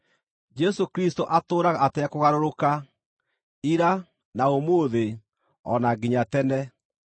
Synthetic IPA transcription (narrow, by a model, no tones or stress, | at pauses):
d͡ʒɛsokɾistoʔatoːɾaɣaʔateakoɣaɾoɾoka | iɾa | naomoðe | ɔ̰naɡiɲatɛnɛ